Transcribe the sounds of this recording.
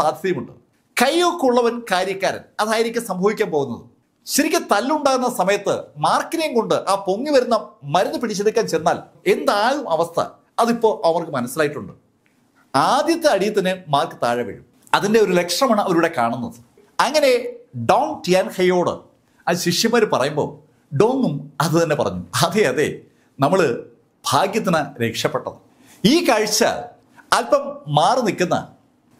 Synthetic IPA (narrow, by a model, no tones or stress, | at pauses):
saːd̪ʱjɐjɐmuɳɖɨ | kɐjokːuɭːɐʋɐnkaːɾjɐkːaːɾɐ̰nɐðaːjiɾikʲːɨsɐmbʱɐʋikʲːaːmpo̞ːɣunːɐ̰ðɨ | ɕɐɾikʲːɨt̪ɐlːuɳɖaːɣɐnːɐsɐmɐjɐt̪ːɨ̰maːrkːineŋko̞ɳɖɨʔaːpo̞ŋːiʋɐɾunːɐmɐɾunːɨpiɽit͡ɕːed̪ikʲːaːnt͡ɕenːaːl | e̞nd̪aːɻumɐʋɐst̪ʰɐ̰ | ɐðipːo̞ːʔɐmɐrkɨmɐnɐsːilaːjiʈːuɳɖɨ | aːd̪jɐt̪ːeɐɽijɐt̪ːɐnːɨmaːrkɨt̪a̰ːɻɐʋḛɻum | ɐðinde̞o̞ɾule̞kʂɐmaːɳɨɐʋɐɾuːɽe̞kaːɳunːɐðɨ | ɐŋːɐne̞ɖɐwntijaːnxɐjo̞ːɽɨ̰ | ɐɕiʂjɐmaːɾupɐrɐjumbo̞̰ː | ɖo̞ːŋɡumɐðɨt̪ɐnːe̞pɐrɐ̰ɲːuɐðeɐðḛ | nɐmːɐɭɨ | b̥ʱaːɡjɐt̪̬ːinɐɾe̞kʂɐpːeʈːɐðɨ | iːkɐɻt͡ɕːɐ̰ | ɐlpɐmːaːrnikʲːunːɐ̰